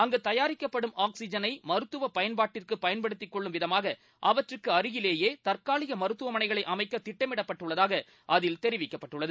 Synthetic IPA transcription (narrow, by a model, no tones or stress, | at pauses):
ɐŋɡet̪ɐjaːɾɪkːɐpːɐɽɯmʔaːksɪd͡ʒɐnɐɪmɐɾɯt̪ːɯʋɐpɐjɐnbaːʈːɪrkɯpːɐjɐnpɐɽɯt̪ːɪkːɔɭːɯmʋɪðɐmaːɣɐ | ʔɐʋɐʈrɯkːɯɐɾɪɣɪleːjeːt̪ɐrkaːɭɪɣɐmɐɾɯt̪ːɯʋɐmɐnɐɪɣɐɭɐɪʔɐmɐɪkːɐt̪ɪʈːɐmɪɽɐpːɐʈːɯɭːɐðaːɣɐ | ʔɐðɪlt̪ɛɾɪʋɪkːɐpːɐʈːɯɭːɐðɯ